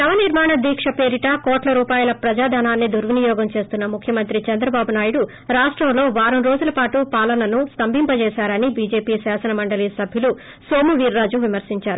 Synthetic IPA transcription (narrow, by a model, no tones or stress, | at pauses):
nɐʋɐniɾmaːɳɐd̪iːkʂɐpe̞ːɾiʈɐkoːʈlɐɾuːpaːjɐlɐpɾɐd͡ʒaːd̪ʱaːnaːnːid̪ʱuɾʋunijɔːɡɐmt͡ʃe̞ːst̪unːɐmukʰjɐmɐnt̪ɾit͡ʃɐnd̪ɾɐbaːbunaːjuɽu | ɾaːʂʈɾɐmlo̞ːʋaːɾɐmɾo̞ːd͡ʒulɐpaːʈupaːlɐnɐnust̪ɐmbʱimpɐt͡ʃɛːsaːɾɐnibiːd͡ʒe̞ːpiːsaːsɐnɐmɐɳɖɐliːsɐbʱjulu | so̞ːmuʋiːɾːaːd͡ʒuʋimɐɾsiɲt͡ʃaːɾu